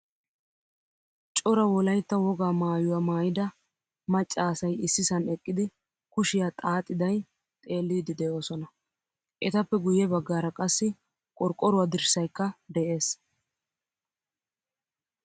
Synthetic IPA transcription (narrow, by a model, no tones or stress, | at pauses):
t͡ʃʼɔɾɐwɔlɐjt̪ːɐwɔɡaːmaːjʊwaːmaːjɪd̪ɐ | mɐt͡ʃʼːaːsɐjɪsːɪsɐnɛkʼːɪd̪ɪ | kʊʃɪjat̪ʼaːt̪ʼːɪd̪ɐj | t̪ʼe̞ːlːiːd̪ɪd̪ɛjo̞ːsɔnɐ | ʔɛt̪ɐpːɛɡʊjːɛbɐɡːaːɾɐkʼɐsːɪ | kʼɔɾkʼːɔɾʊwad̪ɪɾsɐjkːɐd̪ɛʔe̞ːs